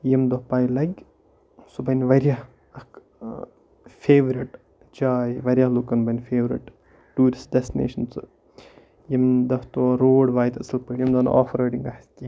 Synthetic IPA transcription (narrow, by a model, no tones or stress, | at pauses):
jɐmd̪ɐpaːjlɐɡ | subɐnʲʋɐɾʲjaɦ | ɐk | fʰeːʋɾiʈ | d͡ʒaːjʋɐɾʲjaːlukɐnbɐnʲfeːʋɾḭʈ | ʈːuːɾisʈɖɛst̪inḛːʃɐns | jɐmd̪ɐft̪oːɾoːɽʋaːjt̪ɐsɐlpɐɳjɐmd̪ɐn̰ʔɔ̰ːfʰɾɐːɖiŋɡɐhɐsti